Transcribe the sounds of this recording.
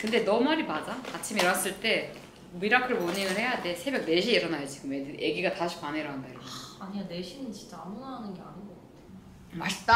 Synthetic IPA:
kɯnde̞nʌmaɾimad͡ʑaat͡ɕʰimiɾʌas͈ɯɭt͈e̞ | miɾakʰɯɭmoɲiŋɯɭhe̞jade̞sʰe̞bjʌk̚ne̞ɕʰieɾʌnajod͡ʑiɡɯmeʔe̞ɡiɡataɕʰi̥kwaneɾoɦandaikaɲiane̞ɕʰinɯnt͡ɕi̥nt͡ɕ͈aamunaanɯnɡe̞anɯnɡʌk͈atʰeo | maɭt͈a

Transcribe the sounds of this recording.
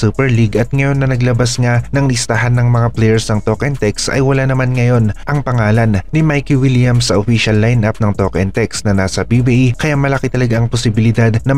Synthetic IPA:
supɛɹliɡʔɐt̪̚ŋɐjo̞nːɐnɐɡlɐbasŋanɐŋlɪst̪aɦanːɐŋmɐŋaplɛjɛɹsnɐŋt̪okʔɛnt̪ɛksɐ̰jwɐlanɐmanŋɐjo̞nʔɐŋpɐŋaːlɐnːɪmajkiwiljɐmsɐʔofiʃɐlːajnʔap̚nɐŋt̪okʔɛnt̪ɛksnɐnaːsɐbibiʔkɐjaʔmɐlɐkit̪ɐlɐɡaʔɐŋposɪbɪlɪd̪ad̪nɐ

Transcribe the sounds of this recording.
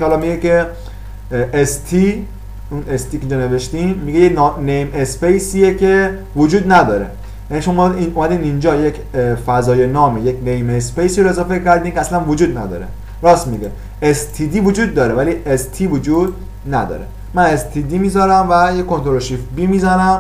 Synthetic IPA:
hɒlɒmiɡeke | est̪ʰi | unest̪ʰiːkeind͡ʒɔne̞ve̞ʃt̪imːiɡejennejmespejsijecʰe̞ | vod͡ʒuːd̪næd̪ɒːɾḛ | jæniʃomɒiumæd̪iːnd̪ind͡ʒɒːjecʰ | fæzɒːjenɒːmejekʰnejmespejsiɾoezɒːfeccæɾd̪iːmcʰeæslænvod͡ʒuːd̪næd̪ɒ̰ːɾḛ | ɾɒːsmiɡe | est̪ʰid̪iːvod͡ʒuːd̪̚ːɒːɾevæliːest̪ʰivod͡ʒuːd̪̚ | næd̪ɒ̰ːɾe | mænest̪ʰid̪iːmiːzɒːɾæmvæjekont̪ʰoɾoʃifbimiːzænæm

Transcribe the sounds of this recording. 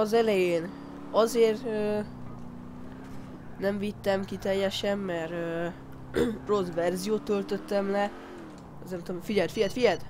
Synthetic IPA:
ɒzɛlɛjeːn | ɒzeːrt̪ø | nɛɱvit̪ːɛmkit̪ɛjːɛʃɛmːɛrø | ro̞svɛrzijoːt̪ːø̞lt̪ø̞t̪ːɛmlɛ | znmt̪omfiɟɛlt̪fijɛt̪fijɛt̪

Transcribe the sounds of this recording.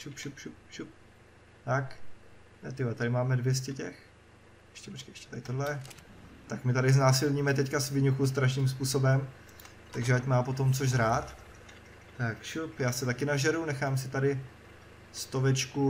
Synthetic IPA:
ʃupʃupʃup̚ʃup̚ | t̪ak̪ | ɛt̪ɪat̪adɪmaːmɛdvjɛs̬cɛcɛx | ʔɛʃcɛpot͡ʃkejʔɛ̥ʃcɛ̥t̪adɪt̪odlɛ | t̪akmɪt̪adɪznaːsilɲiːmɛt̪̬ɛckasvɪɲuxus̬t̪ɾaʃniːmspuːso̞bɛm | t̪aɡʒɛacmaːpot̪omt͡soʒzɾaːt̪ | t̪akʃupjaːsɛt̪akɪnaʒɛɾunɛxaːmsɪt̪adɪ | st̪o̞vɛt͡ʃku

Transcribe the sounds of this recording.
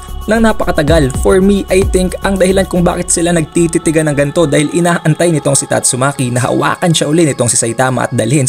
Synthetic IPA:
nɐŋnaːpɐkɐt̪ɐɡalfoɹmiʔajt̪ɪŋkʔɐŋd̪ɐhɪlankʊŋba̰ːkɪt̪̚sɪlanɐɡ̚t̪it̪it̪ɪɡanɐŋɡɐnt̪o̞d̪aːhɪlʔɪnaːʔɐnt̪ajnɪt̪o̞ŋsɪt̪ɐ̰t̪sʊmaːkinɐɦɐ̰wa̰ːkɐnʃɐʔʊlɪnɪt̪oŋsɪsɐjt̪aːmɐ̰ʔɐ̰t̪̚d̪ɐ̰lhɪn

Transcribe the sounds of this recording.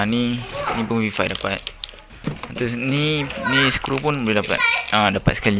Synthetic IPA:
ninĩpunfifajdapat̪̚ | at̪usninĩsə̥kɾupunbolɛhdapa̰t̪̚adapa̰t̪̚sə̥kali

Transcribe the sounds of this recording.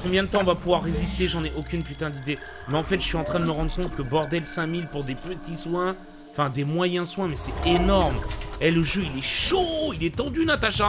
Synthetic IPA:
kɔ̃bjɛ̃d̪ət̪ɑ̃ːvapuvwaʁːezist̪eʒɑ̃nɛʔokʲynpyt̪ɛ̃d̪id̪e | mɛɑ̃fɛt̪ʒəsɥiɑ̃t̪χɛ̃d̪əməʁɑ̃d̪ʁəkɔ̃t̪̚kəbɔʁd̪ɛlsɛ̃milpuʁd̪epət̪iswɛ̃ | fɛ̃d̪emwajɛ̃swɛ̃mɛsɛenɔʁmɛlːəʒøilɛʃoilɛt̪ɑ̃d̪ynat̪aʃa

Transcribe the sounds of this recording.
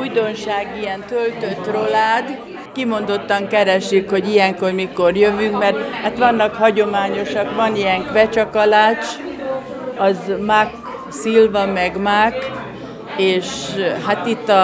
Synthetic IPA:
ujd̪o̞nʃaːɡijɛnt̪ølt̪ø̞t̪ːro̞laːd̪ | kimo̞nd̪o̞t̪ːɒŋkɛɾɛʃykho̞ɟijɛŋko̞rmikorjøvyŋkmɛrt̪hat̪ʋɒnːɒkhɒɟo̞maːɲo̞ʃɒkʋɒnijɛŋkʋɛt͡ʃɒkɒlaːt͡ʃ | ɒzmak | silvɒmɛɡmak | eːʃɦat̪it̪ːɒ

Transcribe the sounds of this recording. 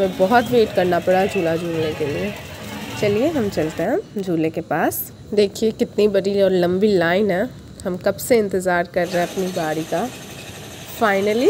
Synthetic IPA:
ɦɐmẽbɔɦɔt̪ʋeːʈkɐɾnapɐɽad͡ʒʱuːlad͡ʒʱuːlnekeliet͡ʃɐlieɦɐmt͡ʃɐlt̪eɦɛ̃d͡ʒʱuːlekepaːs | d̪eːkʰiekɪt̪nibɐɽiɔːɾlɐ̃mbilaːɪnɦɛ̃ | ɦɐmkɐbseɪ̃nt̪ɪzaːɾkɐɾːɛɦɛ̃ɐpnibaːɽika | faːɪnəli

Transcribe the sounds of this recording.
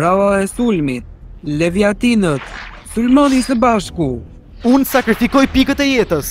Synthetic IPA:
ɾawaɛsulmit̪̚ | lɛvjat̪inət̪ | sulmɔnisəbaʃku | unsakɾifikɔjpikət̪ɛjɛt̪əs

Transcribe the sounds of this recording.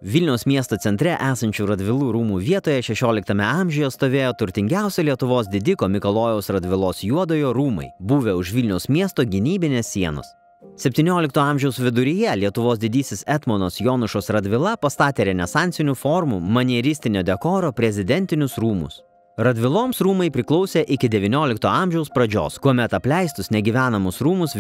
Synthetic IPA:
ʋʲɪlʲnʲɛʊsmʲiɛst̪oːt̪ʲɛnt̪ʲɾʲɛʔæːsɐnʲt͡ʃʲuːɾɐd̪ʲʋʲɪlˠuːɾuːmuːʋʲiɛt̪oːjɛʃʲɛʃʲoːlʲɪk̚t̪ɐmʲɛɑmʲʒʲʊjɛst̪oːʋʲeːjoːt̪ʊɾʲt̪ʲɪŋʲɡʲæˑʊsʲɛlʲiɛt̪ʊʋoːs̬d̪ʲɪd̪ʲɪkoːmʲɪkolˠoːjɛʊsɾɐd̪ʲʋʲɪlˠoːsjuɔd̪oːjoːɾuːmɐ̰ɪbuːʋʲeʊʃʋʲɪlʲnʲɛʊsmʲiɛst̪oːɡʲɪnʲiːbʲɪnʲeːsːʲiɛno̰ːs | sʲɛpʲt̪ʲiːnʲoːlʲɪkt̪oːɑˑmʲʒʲɛʊsʋʲɪd̪ʊɾʲɪjɛlʲiɛt̪ʊʋoːs̬d̪ʲɪd̪ʲiːsʲɪsɛt̪monoːsjoːnʊʃoːsɾɐd̪ʲʋʲɪlˠɐpɐst̪ɑːt̪ʲeːɾʲɛnʲɛsɑˑnʲt̪sʲɪnʲuːfɔːɾmṵmɐnʲiɛɾʲɪsʲt̪ʲɪnʲoːd̪ʲɛkoːɾoːpʲɾʲɛzʲɪd̪ʲɛnʲt̪ʲɪnʲʊsɾuːmʊ̰s | ɾɐd̪ʲʋʲɪlˠoːmsɾuːmɐɪpʲɾʲɪklˠɒʊsʲeːʔɪkʲɪd̪ʲɛʋʲinʲoːlʲɪkt̪oːɑˑmʲʒʲɛʊspɾɐd͡ʒʲo̰ːskuɔmʲɛt̪ɐpʲlʲɛˑɪst̪ʊsnʲɛɡʲiʋʲæːnɐmʊsɾuːmʊs

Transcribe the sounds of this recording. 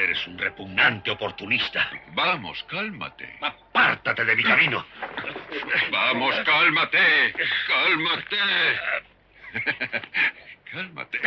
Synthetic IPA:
eɾesunrepuɣnant̪eo̞po̞ɾt̪unist̪abamo̰skalma̰t̪ḛapaɾt̪at̪e̞ðe̞mikamino | bamoskalmat̪ekalmat̪e | kalma̰t̪e

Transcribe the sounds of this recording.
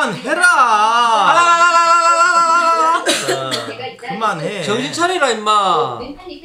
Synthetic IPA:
nheɾa | kɯmanɦet͡ɕʌŋd͡ʑʰit͡ɕʰaɾiɾaimːa

